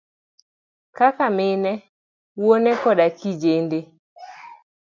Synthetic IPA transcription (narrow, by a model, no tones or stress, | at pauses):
kakamɪnɛ | wonɛkɔdakid͡ʒende